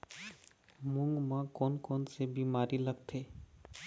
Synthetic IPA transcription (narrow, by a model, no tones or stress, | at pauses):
mʊ̃ŋɡmãːkɔːnkɔːnsebiːmaːɾilɐɡt̪ʰeː